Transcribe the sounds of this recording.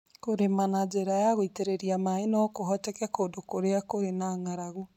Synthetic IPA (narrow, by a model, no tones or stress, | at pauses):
koɾemanad͡ʒeɾajaɣoiteɾeɾiamaenɔkoɦɔtɛkɛkoːdokoɾeakoɾenaŋaɾaɣu